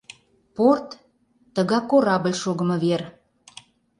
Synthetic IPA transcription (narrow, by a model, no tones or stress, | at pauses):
port̪ː | ə̆ɣɑkːoɾɑbə̆lʲʃoɣə̆mɤ̆βer